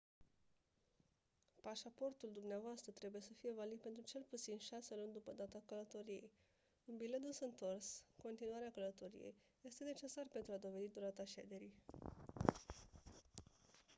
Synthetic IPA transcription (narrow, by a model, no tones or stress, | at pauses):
paʃapo̞rt̪uld̪umneavoast̪ɾət̪ɾe̞buje̞səfije̞valid̪̚pe̞nt̪ɾut͡ʃe̞lput̪sinʃase̞lunʲd̪upəd̪at̪akələt̪o̞ɾije̞̰j | ɨnbile̞d̪usəɨnt̪o̞rsko̞nt̪inuaɾeakələt̪o̞ɾḭje̞̰j | je̞st̪e̞ne̞t͡ʃe̞sarpe̞nt̪ɾuad̪o̞ve̞d̪id̪uɾat̪aʃe̞d̪e̞ɾij